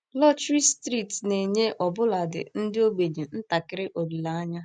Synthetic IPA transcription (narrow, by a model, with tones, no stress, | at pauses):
lɔ˦t͡ʃɾi˦stɾi˦˨tne˨ɲe˦ʔɔ˨bʊ˦la˨dɪ̰˨n̩˦dɪ˦o˦ɡ͡be˨ɲe˨n̩˦ta˨kɪ˦ɾɪ˦ʔo˨ɾi˨la˨a˦ɲa˦